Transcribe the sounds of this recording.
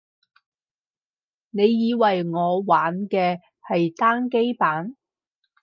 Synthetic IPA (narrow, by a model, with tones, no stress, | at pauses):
ne˨˧jːiː˨˧wɐ˨jŋɔː˨˧waː˨˥nkɛː˧ | hɐ˨jt̪aː˥ŋke˥jpaː˨˥n